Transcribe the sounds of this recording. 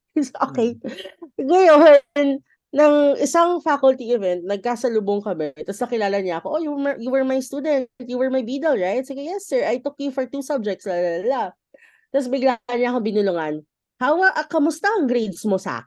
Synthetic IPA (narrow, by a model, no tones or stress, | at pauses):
sʔokɛj | ŋɐjonː | ɐŋʔɪsaŋfakʊlt̪iʔɪvɛnt̪̚nɐɡ̚kaːsɐlʊboŋkɐmɛt̪ɐsnɐkɪlaːlɐɲaʔɐko̞ʔojujuwɛɹmɐjst̪uːd̪ɛnt̪̚juwɛɹmɐjbid̪ɛlɹajt̪̚sɪɡajɛsːɛɹʔajt̪ʊkjufɔɹt̪usɐb̚d͡ʒɛk̚t̪slɐlɐla | t̪ɐs̬bɪɡlanɲaɐkobɪnʊlʊŋan | hawɐʔɐkɐmʊst̪aʔɐŋɡɾed̪smosɐʔa̰k